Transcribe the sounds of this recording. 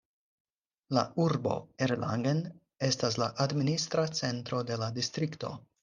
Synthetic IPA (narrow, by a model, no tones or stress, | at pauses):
la̰uɾbo̞̰eɾla̰ŋɡen | e̞stas̬laʔadministɾat͡se̞ntɾo̞de̞ladistɾikto̞̰